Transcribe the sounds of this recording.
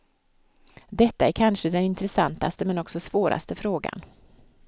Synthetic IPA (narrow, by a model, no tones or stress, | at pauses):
d̪ɛt̪ːaæɾkʰanʂəd̪ɛnɪnt̪ɾɛsant̪a̰st̪əmɛnɔksɔsvoːɾʔa̰st̪əfɾoːɡa̰n